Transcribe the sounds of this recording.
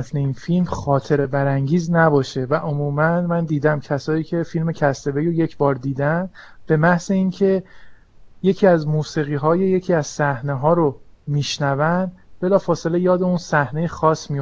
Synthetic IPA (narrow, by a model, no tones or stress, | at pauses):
fneiːnfilmxɒːt̪ʰe̞ɾe̞bæɾæŋɟiːznæbɒːʃe̞væʔomuːmænmænd̪iːd̪æmcʰæsɒːiːcʰefilme̞cʰæst̪e̞be̞joje̞cʰbɒːɾd̪iːd̪æn | b̥e̞mæhze̞iːncʰe̞ | je̞cʰiːæzmuːsiːɣiːɦɒːjeje̞cʰiːæz̥sæhne̞ɦɒːɾomiːʃnævænd̪b̥e̞lɒːfɒːse̞lejɒːd̪eunsæhne̞jexɒːsːmijo